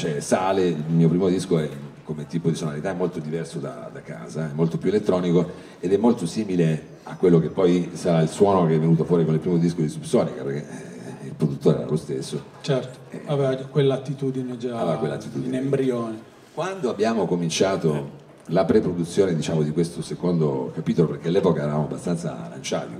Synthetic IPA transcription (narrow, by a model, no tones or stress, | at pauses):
t͡ʃɛsaːleilmiːopɾiːmod̪iskoɛkːomet̪ːiːpod̪isonaɾit̪aɛmːolt̪od̪ivɛrsod̪a̰d̪aka̰ːzaɛmːolt̪opjuelet̪ːɾɔːniko | ed̪ɛmːolt̪osiːmile | akːwelːok̟epːɔjsaɾailswɔːnokeɛvːenuːt̪ofwɔːɾikonilpɾiːmod̪iskod̪isupsɔːnikapḛɾk̟ːḛilpɾod̪ut̪ːoːɾeɛ̰ɾa̰lost̪esːo | t͡ʃɛrt̪o̥ɛ̰avɛvad͡ʒkwelːat̪ːit̪ud̪ined͡ʒaavevakwelːat̪ːit̪uːd̪inembɾjoːne | kwand̪oabːjaːmokomint͡ʃaːt̪o | lapɾepɾod̪ut̪sːjoːned̪it͡ʃaːmod̪ikwest̪osekond̪o̰kapiːt̪olopeɾk̟ealːɛːpokaɛɾavamoabːast̪ant̪sa̰la̰nt͡ʃa̰ːt̪ḭ